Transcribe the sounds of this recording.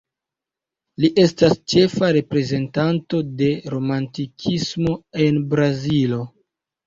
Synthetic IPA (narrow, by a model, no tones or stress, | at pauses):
liʔe̞stast͡ʃe̞faɾe̞pɾe̞ze̞ntanto̞de̞ɾo̞mantikʰismo̞e̞nbɾazilo̞